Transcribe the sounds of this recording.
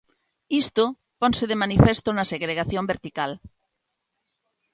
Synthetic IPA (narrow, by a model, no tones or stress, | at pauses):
ist̪o | pɔnseðemanifest̪onaseɣɾeɣaθjõmbeɾt̪ikal